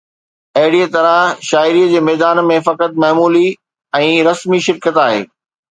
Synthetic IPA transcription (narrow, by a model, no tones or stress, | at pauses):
ɐɦɪɽiət̪ɐɾə̃ʃaːɪɾiːəd͡ʑeːmɛːd̪aːnmẽfɐkət̪̚mɐːmuːli | ɛ̃ːɾɐsmiʃɪɾkət̪aːɦḛː